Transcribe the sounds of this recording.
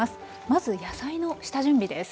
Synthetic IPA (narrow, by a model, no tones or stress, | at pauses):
asɨ̥ | mazɨjasaino̞ɕi̥t̪aʑɨ̃mbʲid̪e̞s